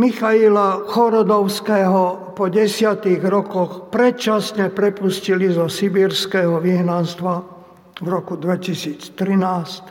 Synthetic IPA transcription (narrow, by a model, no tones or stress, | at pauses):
mixailaxɔɾɔd̪ɔʊskɛːɦɔ | pɔɟɛsɪat̪iɣɾɔkɔxpɾɛt̪t͡ʃasɲɛpɾɛpuscilizɔsibiːɾskɛɦɔʋiɦnanst̪ʋa | vɾɔkud̪ʋɛcisiːt͡st̪ɾinaːsc